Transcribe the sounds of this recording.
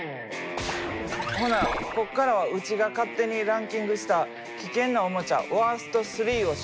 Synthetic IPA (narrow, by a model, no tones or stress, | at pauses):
honako̞kːaɾaβaɯ̟t͡ɕiɡakat̪ːe̞ɲ̟iɾãŋkʲĩŋɡɯ̟ɕi̥t̪a | kʲikẽ̞nːaomo̞t͡ɕa̰βaːsɨ̥t̪o̞sɨɾʲiːo̞